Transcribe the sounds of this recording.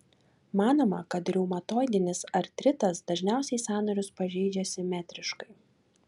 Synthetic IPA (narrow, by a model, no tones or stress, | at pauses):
mɑːnoːmɐkɐt̪ɾʲɛʊmɐt̪oːjd̪ʲɪnʲɪsɐɾt̪ʲɾʲɪt̪ɐsd̪ɐʒʲnʲæˑʊsʲɛɪsɑːnɐɾʲʊspɐʒʲɛɪd͡ʒʲɛsʲɪmʲæːt̪ʲɾʲɪʃkɐɪ